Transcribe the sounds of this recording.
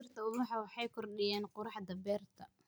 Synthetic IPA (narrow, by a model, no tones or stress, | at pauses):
rt̪ʰɐʊwʊħɑwɑħɑjkʰɔrɗɪjɛːnqʊɾɑħd̪ɐbɛːrt̪ʰɐ